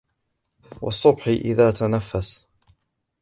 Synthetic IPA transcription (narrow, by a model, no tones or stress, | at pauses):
wʔɑ̰sˤːʊbħɪʔɪ̰ðaːt̪anafːas